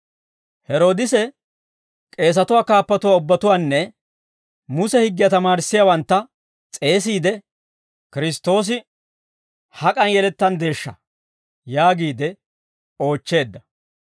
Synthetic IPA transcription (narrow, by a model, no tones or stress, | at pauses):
hɛɾo̞ːd̪ɪsɛ | kʼe̞ːs̬ɐt̪ʊwaːkaːpːɐt̪ʊwaːʊbːɐt̪ʊwaːnːɛ | mʊsɛhɪɡːɪjɐt̪ɐmaːɾɪsːɪjawɐnt̪ːɐ | t͡sʼe̞ːs̬iːd̪ɛ | kɪɾɪst̪ːo̞ːs̬ɪ | hɐkʼɐnjɛlɛt̪ːɐnd̪e̞ːʃːɐ | jaːɡiːd̪ɛ | o̞ːt͡ʃːe̞ːd̪ːɐ